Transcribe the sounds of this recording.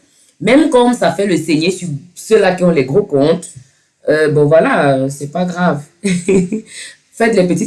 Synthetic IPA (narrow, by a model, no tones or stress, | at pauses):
mɛmkɔ̃msafɛləsɛɲesyʁsølakiɔ̃lɛɡʁokɔ̃t̪ | øbɔ̃vwalasɛpaɡʁav | fɛt̪lɛpət̪it̪